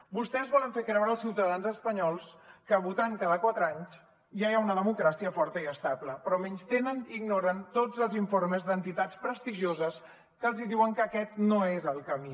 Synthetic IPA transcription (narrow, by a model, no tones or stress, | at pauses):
bust̪ɛzβɔləɱfekɾɛwɾəːlˠsiwt̪əðanzəspəɲɔlˠskəβut̪aŋkaðəkwat̪ɾəaɲz | ʒajaunəðəmukɾasiəfɔɾt̪əiəst̪abləpɾɔmɛɲst̪enəniɡnoɾənt̪od͡zəlˠziɱforməzd̪ənt̪it̪at͡spɾəst̪iʒozəs | kəlˠziðiwəŋkəkɛt̪noezəlˠkəmi